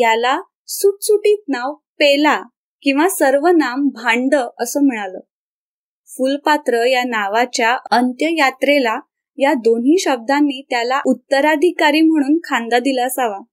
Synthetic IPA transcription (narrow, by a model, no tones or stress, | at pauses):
jala | suʈsuʈiːt̪̚naʋpela | kĩw̃ʋasəɾʋənambʱaɳɖəəsəːm̤əɽ̃aləː | fulpat̪ɾəjanaʋat͡ɕjaənt̪jəjat̪ɾela | jad̪onɦiːɕəb̚d̪anːiːt̪jalaʔut̪ːəɾad̪ʱikaɾiːm̤əɽ̃uːnkʰand̪ad̪ilasaʋa